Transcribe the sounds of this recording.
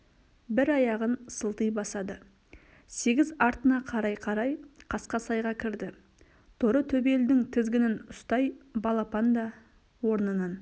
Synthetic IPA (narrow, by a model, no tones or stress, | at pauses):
bɪɾɑjɑʁənsəlˠt̪əjbɑsɑd̪ə | se̞ɡʲɪzɑɾt̪ənɑqʰɑɾɑjqʰɑɾɑjqʰɑsqɑsɑjʁɑkʲʰɪɾd̪ɪ | t̪ʰʊɾət̪ʰɵbe̞ld̪ɪŋt̪ʰɪzɡʲɪnɪnʊst̪ɑjbɑlˠɑpɑnd̪ɑ | wo̞ɾnənɑn